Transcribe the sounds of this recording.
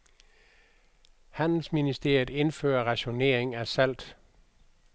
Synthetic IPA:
hæn̰l̩sminisd̥e̝ɐ̰jð̩ˠe̝nfø̰ːɐʁɑ̈ɕo̝ne̝̰ɐ̰eŋæsæl̰d̥

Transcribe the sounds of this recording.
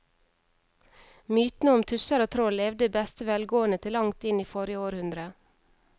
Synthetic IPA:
myːt̪nəʊmt̪ʰʉsəɾoːt̪ʰɾoːlɛʋd̪əbɛst̪əʋɛlɡoːənət̪ʰɪlːɑŋt̪ɪniːfɔɾjəoːɾhʉnd̪ɾə

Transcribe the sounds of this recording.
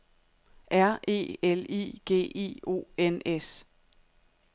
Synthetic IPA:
ʔæɐ̰ʔe̝̰ːelḭːɡ̥e̝̰ːḛːo̝̰ːenes

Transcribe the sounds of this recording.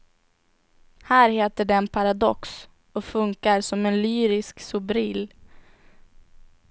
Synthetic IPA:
hæːɾheːt̪əɖɛɛnpʰaɾad̪ɔks | ɔfɵŋkaɾsɔmɛnlyːɾɪsksʊbɾɪːl

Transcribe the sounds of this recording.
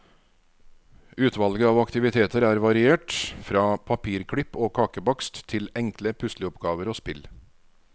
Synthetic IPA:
ʉːt̪ʰʋɑlɡəɑːʋɑkt̪ɪʋɪt̪ʰeːt̪əɾæːɾʋɑɾɪeːʈfɾɑːpʰɑpʰiːɾkʰɽʏpːoːkʰɑːkəbɑkst̪t̪ʰɪlɛŋkləpʰʉsləɔpɡɑːʋəɾoːspɪl

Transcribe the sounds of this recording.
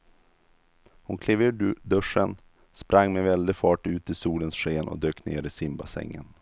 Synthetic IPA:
hʊ̰nkʰleːveːd̪ɵʂːən | spɾaŋːmɛvɛld̪ɪfɑːʈʉ̟ːt̪ɪsuːlənsɧeːnʔɔ̰d̪øːkːnḛːɾɪsɪmbasɛ̰ŋːə̰n

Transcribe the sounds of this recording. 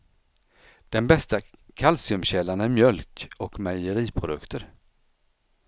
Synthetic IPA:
d̪̥ɛnbɛst̪akʰalsɪɵmɕɛlːanæɾmjœlkɔkmæjəɾiːpʰɾʊd̪ɵ̰kt̪ʰəɾ

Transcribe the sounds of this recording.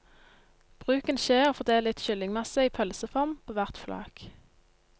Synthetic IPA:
b̥ʁʉːkənʃeːʁoːfɔʁd̪eːləlɪt̪ʃʏlɪŋmɑsəiːpʰœlsəfɔʁmpʰoːʋæʁt̪flɑ̰ːk

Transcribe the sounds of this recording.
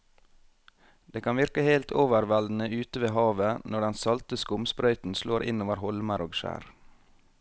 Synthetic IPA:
d̪̥eːkʰɑnʋɪɾkəheɪlt̪ʰoːʋəɾʋɛld̪n̩əʉːt̪əʋeːhɑːʋənɔɖɛnsɑlt̪əskʊmspɾœʏt̪n̩sloːɾʔɪ̰noːʋəɾhɔlməɾoːɡʃæ̰ːɾ

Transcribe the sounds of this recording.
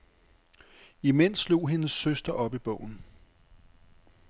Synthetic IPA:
imen̰slo̝̰ːɦe̝nəsːøsd̥ɐʔɒ̽b̥ib̥ɔ̰̽ʊ̰n̩

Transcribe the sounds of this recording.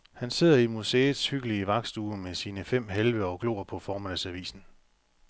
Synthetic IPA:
hænse̝ð̞̰ˠɐimuseːð̩ˠshyɡ̥əliəʋɑ̈ɡ̥sd̥uːmesiːnəfem̰ɦelʋəɒ̽ɡ̥lo̝̰ːɐpʰɒ̽fɒːmænəsæʋḭːsn̩

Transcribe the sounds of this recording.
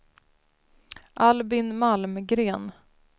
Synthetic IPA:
ʔalbɪnmalmɡɾeːn

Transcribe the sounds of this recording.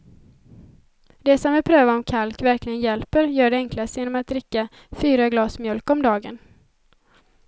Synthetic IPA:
d̪̥ɛsɔmvɪlpʰɾøːvaɔmkʰalkvæɾklɪɡənjɛlpəɾjœːɖɛɛŋklast̪jeːnɔmat̪̚d̪ɾɪkːa | fyːɾaɡlɑːsmjœlkɔmd̪ɑːɡə̰n

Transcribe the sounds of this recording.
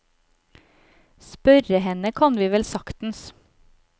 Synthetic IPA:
spœɾəhɛnəkʰɑnʋiːʋɛlsɑkt̪n̩s

